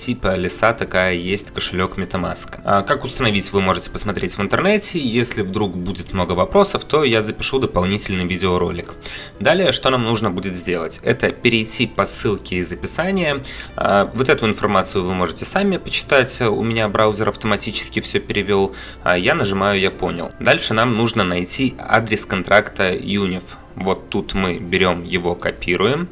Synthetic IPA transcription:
tʲipəlʲɪsat̪ɐkajəjesʲtʲkəʂɨlʲo̞kmʲɪt̪ɐma̰skə̥akakʊst̪ənɐvʲitʲvɨmo̞ʐɨtʲɪ̥pə̥smɐt̪ɾʲetʲvɨnt̪ərnɛtʲɪjesʲlʲɪvd̪ɾukbudʲɪt̪mno̞ɡəvɐpɾo̞səft̪o̞jazəpʲɪʂud̪əpɐlˠnʲitʲɪlʲnɨjvʲidʲɪoɾo̞̰lʲɪk | d̪alʲɪjəʂt̪o̞namnuʐnəbudʲɪt̪zʲdʲe̞lˠə̰tʲɛt̪əpʲɪɾʲɪjtʲːipɐsːɨlˠkʲɪːzəpʲɪsanʲɪjəa̰vot̪ɛt̪ʊɪnfɐ̰rmat̪sɨjʊvɨmo̞ʐɨtʲɪsamʲɪpət͡ɕːɪ̥t̪atʲʊ̰mʲɪnʲabɾʔaʊzʲɪɾʔɐft̪əmɐtʲit͡ɕɪ̥skʲɪfsʲɵpʲɪɾʲɪvʲo̞lˠ | janəʐɨmajʊjapo̞̰nʲɪ̰lˠd̪alʲʂɨnamnuʐnənɐjtʲia̰d̪ɾʲɪskɐnt̪ɾʔakt̪əjunʲɪf | vo̞t̪ːut̪mɨbʲɪɾʲo̞mjɪvo̞kɐpʲiɾʊjɪm

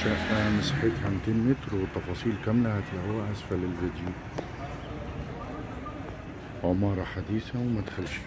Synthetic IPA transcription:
aʔamɪsaħɪt̪hamt̪ɪnmɪt̪ɾwɪt̪ˤːɑfɑːsˤiːlkamlahat̪ɪlʔawaʔasfalɪld͡ʒad̪iːl | ʕʊmɑːɾˤɑħad̪iːθawmad̪xalʃ

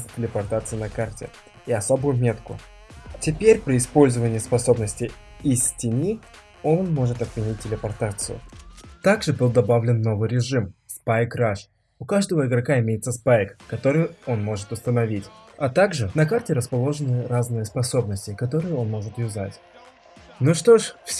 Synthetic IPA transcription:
sʲtʲɪlʲɪpɐrt̪at̪sɨjnɐkartʲɪ̰ | iɐso̞bʊjʊmʲe̞t̪kʊ̰ | tʲɪpʲeɾʲpɾʲɪɪspo̞lʲzəvənʲɪjəspɐso̞bnəsʲtʲɪɪsʲtʲɪnʲi | o̞nmo̞ʐɨt̪ɐfvʲɪnʲit̚ʲtʲːɪlʲɪpɐrt̪at̪sɨ̰jʊ̰t̪aɡʐɨbɨlˠd̪ɐbavlʲɪnːo̞vɨjɾʲɪʐɨmspajkraʂ | ʊkaʐd̪əvəɪɡɾɐkaɪmʲejɪt̪səspajkːɐt̪o̞ɾɨjo̞nmo̞ʐɨt̪ʊst̪ənɐvʲitʲɐt̪aɡʐɨnɐkartʲɪɾəspɐlˠo̞ʐɨnɨɾaznɨjəspɐso̞bnəsʲtʲɪkɐt̪o̞ɾɨjɪo̞nmo̞ʐɨt̪jʊza̰tʲ | nuʂt̪o̞ʂfsʲ

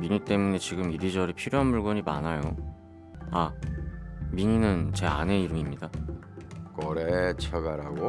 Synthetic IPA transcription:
miɲit͈e̞mune̞t͡ɕiɡɯmiɾid͡ʑʌɾipʰiɾjoɦanmuɭɡʌɲima̰najo | a | miɲinɯnt͡ɕe̞a̰ne̞iɾɯmimɲida | kʌɾet͡ɕʰʌɡaɾaɡo

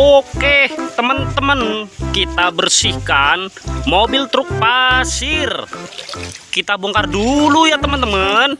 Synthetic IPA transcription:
oket̪əmənt̪əmənkit̪abərsihkanmobɪlt̪ɾʊk̚pasɪr | kit̪aboŋkardulujat̪əmənt̪əmən

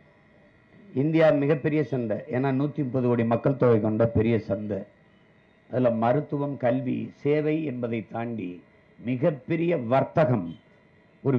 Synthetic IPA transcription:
ɪnd̪ɪjaːmɪɣɐpːɛɾɪjɐsɐnd̪ɐʔeːnːaːnuːt̪ːipːɐðɯʋoːɽimɐkːɐɭt̪ɔːʋɐɪkɔɳɖɐpɛɾɪjɐsɐnd̪ɐ | ʔɐðɪlɐmɐɾɯt̪ːɯʋɐmkɐlʋḭseːʋɐɪɛnbɐðɐɪt̪ːaːɳɖi | mɪɣɐpːɛɾɪjɐʋɐɾt̪ɐɣɐm | ɔɾɯ

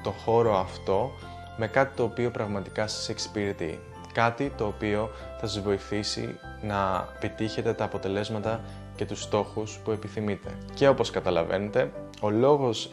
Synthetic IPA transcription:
t̪o̞xo̞ɾo̞ɐft̪o̞ | me̞kɐt̪i̥t̪o̞ːpio̞pɾɐɣmɐt̪i̥kɐsɐ̥se̞ksi̥piɾit̪ḭ | kɐt̪it̪o̞ːpio̞ | θɐsɐzvo̞iθisḭ | nɐepit̪içe̞t̪e̞t̪ɐːpo̞t̪e̞le̞zmɐt̪ɐ | ce̞t̪ust̪o̞xuspue̞piθimit̪e̞̰ce̞o̞po̞skɐt̪ɐlɐve̞̰ne̞t̪e̞ | o̞lo̞ɣo̞s

